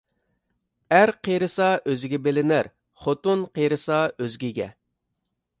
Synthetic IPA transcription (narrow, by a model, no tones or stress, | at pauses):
æɾqʰeɾɨsɑʔøzɪɡʲɛbelɪnæɾ | χot̪unqʰeɾɨsɑøzɡʲiɡʲɛ̰